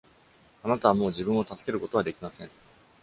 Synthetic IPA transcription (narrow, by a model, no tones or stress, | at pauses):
anat̪aβamo̞ːʑibɯ̟̃ɰ̃o̞t̪asɨ̥ke̞ɾɯ̟ko̞t̪o̞β̞ad̪e̞kʲimasẽ̞ŋ